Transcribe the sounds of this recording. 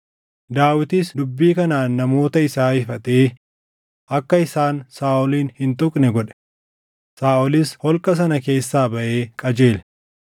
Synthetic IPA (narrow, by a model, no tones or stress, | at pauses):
d̪aːwɪt̪isd̪ʊbːiːkɐnaːnːɐmo̞ːt̪ɐɪsaːɪfɐt̪eː | ʔɐkːɐɪsaːnsaːʔɔliːnhɪnt̪ʊkʼnɛɡɔᶑɛ̥ | saːʔɔlɪshɔlkʼɐs̬ɐnɐke̞ːsːaːbɐʔe̞ːkʼɐd͡ʒe̞ːlɛ